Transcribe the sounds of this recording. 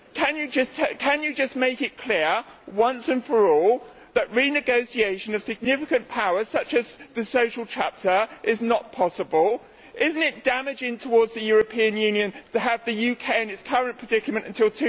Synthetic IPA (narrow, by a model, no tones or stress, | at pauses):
kʰɨ̃njɨd͡ʒʌstʰkʰɨ̃njɨd͡ʒʌsmeɪkɪt̚kʰl̥ɪəɹwʌ̃nsɨ̃nfə˞ɔlˠ | ðəʔɹinɨɡoʊsieɪʃɨ̃nʌv̥sɨɡ̚nɪfɪkɨ̃npʰaʊə̥˞sʌt͡ʃɨzðɨsoʊʃlˠtʰæp̚tʰə˞ʔɪznət̚pʰɑsəbəlˠ | ʔɪzn̩tɪt̚d̥æmɪd͡ʒɪ̃ŋtʰəwɔɹdzðɨjʊɹəpʰĩɨ̃njʉ̃njɨ̃ntʰəːvðɨjʉkʰeɪɨ̃nɨtskʰʌɹə̃npʰɹ̥ədɪkəmɨ̃ntɨ̃ntʰɪlˠtʰʉ